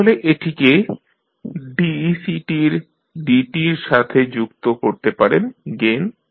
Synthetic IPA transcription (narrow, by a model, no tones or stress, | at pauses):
oleʔeʈʰike | ɖisiʈiɾ | ɖiʈiɾʃat̪ʰed͡ʑukt̪okoɾt̪epaɾenɡen